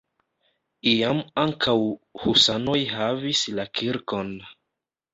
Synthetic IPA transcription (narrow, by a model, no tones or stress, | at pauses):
iamaŋkʰawhusano̞jɦavislakʰiɾko̞n